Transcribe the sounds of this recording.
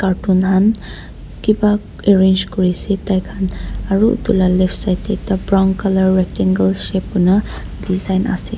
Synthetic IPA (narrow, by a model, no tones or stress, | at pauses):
kaɾtunɦan | kiba | eɾend͡ʒkuɹisitajkʰanaɾṵtulalepʰsajtetabɾawŋkalaɾːek̚tiŋɡəlʃep̚una | dizajna̰sḭ